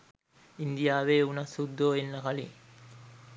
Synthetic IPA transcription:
ind̪ijaːʋeːunasud̪ːoːenːɐkalḭ

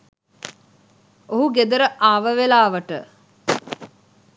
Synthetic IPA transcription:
oɦuɡed̪əɾəʔaːʋəʋelaːʋəʈə̰

